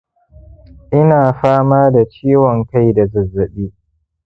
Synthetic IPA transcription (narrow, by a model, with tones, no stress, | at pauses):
ʔɪ˦naː˨ɸaː˦maː˦da˨t͡ʃiː˦wɔ˨ŋka˦jda˨zɐ˨zːɐ˨ɓiː˦